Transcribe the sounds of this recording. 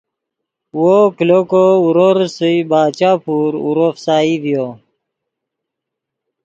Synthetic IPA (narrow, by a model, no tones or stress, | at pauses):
woklokouɾoɾsəbaːt͡ɕaːpuːɾṵɾofsaːivjo